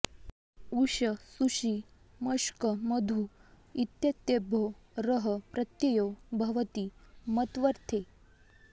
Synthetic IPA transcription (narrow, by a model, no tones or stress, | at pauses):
uɕəsuʂi | məʂkəməd̪ʱu | it̪jət̪ːebʱo | ɾəɦəpɾət̪jejobʱɐʋət̪imət̪ʋəɾt̪ʰe